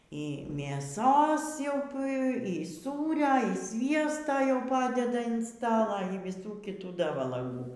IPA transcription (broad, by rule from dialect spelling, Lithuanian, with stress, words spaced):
iː mʲeːˈsoːs jɛʊ p iː ˈsuːrʲɛ ɪr ˈsʲʋʲiɛstoː jɛʊ ˈpɑːdʲɛdɐ ɪn ˈstɑːlˠɐ iː ʋʲɪˈsuː kʲɪˈtuː ˈdɐ ʋɐlˠɐˈɡuː